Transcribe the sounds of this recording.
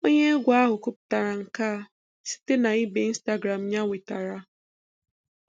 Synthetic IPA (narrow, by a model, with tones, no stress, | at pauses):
o˦ɲe˦ɡʷa˦ɦʊ˨kʊ˦pʊ̥˨ta˨ɾa˨ŋ̩˨ka˦˨ | si̥˦te˦na˨i˦be˨i˦n̩˦sta˦ɡɾa˨m̩˨ɲa˦wi˨ta˨ɾa˨